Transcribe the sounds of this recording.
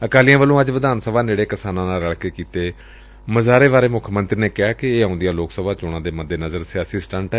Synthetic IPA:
əkaːlijãːʋəlːõːəd͡ʒʋəd̪aːnsəbʱaːneːɽeːkɪsaːnãːnaːləɭkeːkiːt̪eː | məzaːɾeːʋaːɾeːmʊkʰmə̃nt̪ɾiːneːkɪɦaːkɪeːãːnd̪ijaːloːksəbaːt͡ʃʊɽ̃ãːd̪eːməd̪ːeːnəzəɾsɪaːsisʈəɳʈɛ

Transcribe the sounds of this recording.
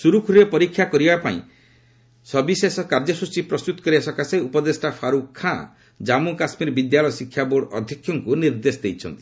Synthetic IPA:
suɾukʰɾɾepɔɾikʰːjakɔɾibapaḭ̃ | sɔbisesɔkaɾd͡ʒɔsut͡ʃipɾɔst̪ut̪ɔ̥kɔɾiasɔkaseupɔd̪esʈapʰaɾukʰːã | d͡ʒamukasmiɾbid̪jalɔjɔsikʰːjaboɽɔd̪ʱjɔkʰːjɔŋkuniɾd̪esɔd̪ejt͡ʃʰɔnt̪i̥

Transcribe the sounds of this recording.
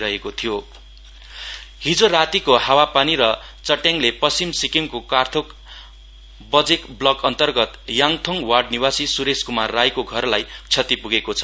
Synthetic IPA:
ɾʌɦekot̪ʰijo | ɦid͡zoɾat̪ikohawapaniɾʌ | t͡sʌʈjaŋlepʌsimsikiŋkokart̪ʰok | bʌd͡zekblʌkʌnt̪ʌrɡʌt̪jaŋt̪ʰoŋwaɖniwasisuɾeskumarːajkoɡʱʌrlajt͡sʰʌt̪ipuɡekot͡sʰʌ

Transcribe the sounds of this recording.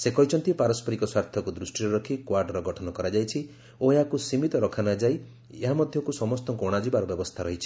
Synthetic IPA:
sekɔɦit͡ʃʰɔnt̪ipaɾɔspʰɔɾikɔswaɾt̪ʰɔkud̪ɾusʈiɾɔɾɔkʰikwaɾɖɔɾɔɡɔʈʰɔnɔkɔɾad͡ʒajt͡ʃʰi | oeɦakusimit̪ɔɾɔkʰanɔd͡ʒaj | eɦamɔd̪ʱjɔkusɔmɔst̪ɔkoɽ̃ad͡ʒibaɾɔbjɔbɔst̪ʰaɾɔɦit͡ʃʰi̥

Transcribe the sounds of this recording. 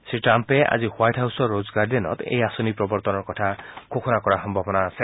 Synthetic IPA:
siʈɾampea̰d͡ʒihwajʈʰɦawsɔɾod͡ʒɔɡaɾd̪enɔ̰t̪ḛjasonipɾɔbɔɾt̪ɔnɔɾkɔt̪ʰakʰokʰɔnakɔɾaxɔmbʱɔbɔnaːse

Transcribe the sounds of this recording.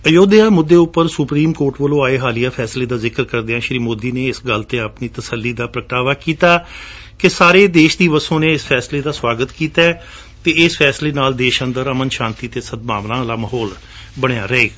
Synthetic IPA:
əjoːd̪ejaːmʊd̪ːeːʊpːəɾsʊpɾiːmkoːɾʈʋəlõːaːeːɦaːlijaːpʰɛːsleːd̪aːzɪkəɾkəɾd̪eãːʃɾiːmoːd̪iːneːɪsɡəlt̪eːəpniːt̪əsəlːiːd̪aːpɾəkʈaːʋaːkiːt̪aː | kɪsaːɾeːd̪eːʃd̪iːʋəsõːneːɪspʰɛːsleːd̪aːswaːɡət̪kiːt̪aɛ | t̪eːɪspʰɛːsleːnaːld̪eːʃənd̪əɾəmənʃãːnt̪iːt̪eːsəd̪̚maːʋlãːlaːməɦoːl | bəɽ̃ejaːɾəeːɡa

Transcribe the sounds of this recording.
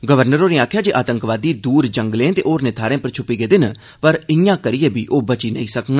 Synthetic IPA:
ɡəʋəɾnəɾoːneːaːkʰjaːd͡ʒeːʔaːt̪əŋkʋaːd̪iːd̪uːɾd͡ʒəŋɡlẽːt̪eːʔoːɾneːt̪ʰaːɾẽːpəɾt͡ʃʰʊpːiːɡeːd̪ɪn | pəɾɪjãːkəɾɪjeːbʱiːʔoːbət͡ʃiːnə̰ĩːsəkŋɡː

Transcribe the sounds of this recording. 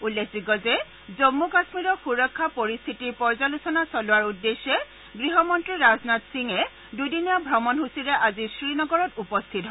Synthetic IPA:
ulːekʰziɡɔzɛ | zomːukasmiɹɔxuɹɔkʰːapoɹist̪ʰitiɹpɔɹzalusɔnasɔlʊwaɹudːesːɛ | ɡɹiɦɔmɔntɹiɹaznatsiŋɛ | dudinijabʱɹɔmɔnɦusiɹɛʔazisɹinɔɡɔɹɔtupɔst̪ʰitɦɔ

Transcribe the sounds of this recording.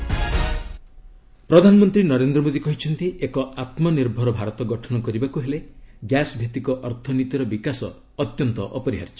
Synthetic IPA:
pɾɔd̪ʱanɔmɔnt̪ɾinɔɾend̪ɾɔmod̪ikɔɦit͡ʃʰɔnt̪iʔekɔat̪mɔniɾbʱɔɾɔbʱaɾɔt̪ɔɡɔʈʰɔnɔkɔɾibakuɦeleɡjasbʱet̪ikɔʔɔɾt̪ʰɔnit̪iɾɔbikasɔ̰ː | t̪jɔnt̪ɔʔɔpɔɾiɦa̰ɾt͡ʃɔ̥

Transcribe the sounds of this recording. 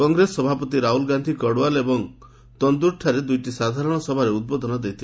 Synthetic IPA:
kɔŋɡɾesɔbʱapɔt̪iɾaɦulɡand̪ʱikɔɽwalebɔŋ | t̪ɔnd̪uɾʈʰaɾed̪ujʈisad̪ʱaɾɔɽ̃ɔsɔbʱaɾeud̪̚bod̪ʱɔnɔd̪ejt̪ʰi

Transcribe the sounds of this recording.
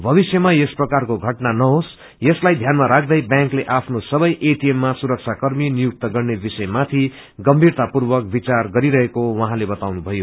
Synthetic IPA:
bʱʌβisjʌmajesprʌkarkoɡʱʌʈnanʌɦos | jʌslajd̪ʱjanmaɾak̚ʰd̪ʌjbjãŋkleʔapʰnosʌbʌjʔeʈiemːasuɾʌk̚t͡sʰakʌrminijuk̚t̪ʌɡʌrnebisʌjmat̪ʰi | ɡʌmbʱirt̪apurbʌkbit͡sarɡʌɾiɾʌɦekowʌɦãlebʌt̪awnubʱʌjo

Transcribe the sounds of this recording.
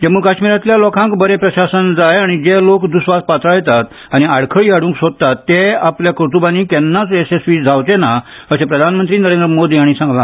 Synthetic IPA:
d͡ʑemuːkaɕmiːɾãt̪ljalɔkãŋkbəɾepɾəɕasənd͡zajaɽ̃id͡zelokd̪usʋaspat̪ɾajɛt̪at̪ | aɽ̃iaɽkʰəɭiːaɽũːŋksod̪̚t̪at̪ːeapljakɾut̪ubãnikɛnːat͡sesesʋiːd͡zʱawt͡sena | əsẽpɾəd̪ʱanmənt̪ɾiːnəɾẽnd̪ɾəmod̪ʱiaɽ̃isãŋɡlã

